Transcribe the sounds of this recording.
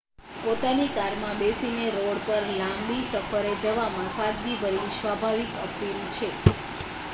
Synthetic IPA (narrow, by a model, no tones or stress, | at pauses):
pot̪anikaɾmãbesineɾoɽpəɾlãmbisəfʰəɾed͡ʒəʋamãsad̪ʋibəɾisʋabʱaʋikə̰pilt͡ʃʰe